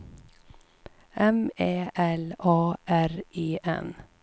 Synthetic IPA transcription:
ʔɛmeːʔɛlɑːʔæɾʔiːʔɛ̰n

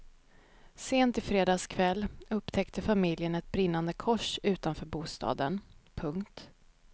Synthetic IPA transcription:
seːnt̪ɪfɾeːd̪ɑːskʰvɛlːɵpːt̪ʰɛkt̪ʰəfamɪljənɛt̪̚bɾɪn̪ːand̪əkʰɔʂʉ̟ːt̪anfœːɾbuːst̪ʰɑ̰ːd̪ənpʰɵŋkt̪

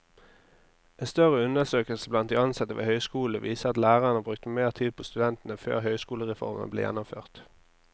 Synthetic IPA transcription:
ɛnst̪œʁəʉnəsøːkəlsəblɑnt̪̚ɪɑnsɑt̪əʋḛhœʏskuːləʋiːsəɑt̪læːʁəʁənəbʁʉk̚t̪əmeːʁt̪ʰiːd̪̚pʰoːst̪ʉd̪ɛnt̪ən̩əfø̰ːʁɦœʏskuːləʁɛfɔ̰ʁmə̰nəblḛːjɛ̰nːʊmfø̰ːʁt̪

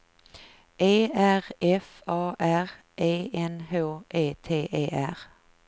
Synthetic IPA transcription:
ʔeːʔæʁɛf | ɑːʔæʁ | ʔeːɛnhoːʔeːt̪ʰeːʔeːʔæʁ

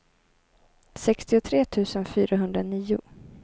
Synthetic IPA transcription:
sɛkst̪ɪʊt̪ʰɾeːt̪ʰʉ̟ːsənfyːɾaɦɵnd̪ɾaniːʊ̰

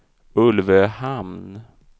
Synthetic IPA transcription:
ɵlvəhamn

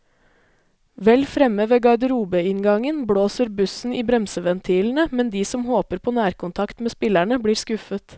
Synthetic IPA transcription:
ʋɛlfɾɛməʋeːɡɑɪd̪əɾuːbəɪŋɡɑŋənbɽoːsəɾbʉsn̩iːbɾɛmsəʋɛnt̪ʰiːln̩əmɛnd̪iːsɔmhoːpəɾpʰoːnæːɾkʊnt̪ʰɑkt̪meːspɪlæɳəbɽiːɾskʉfət̪

